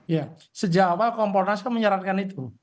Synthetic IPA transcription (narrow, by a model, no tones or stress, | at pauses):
ja | səd͡ʒawakɔmpɔrnasɔməɲəɾankanit̪u